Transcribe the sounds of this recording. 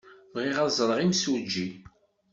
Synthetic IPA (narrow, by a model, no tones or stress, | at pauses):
vʁiʁæzˤɾˤəʁimsud͡ʒːi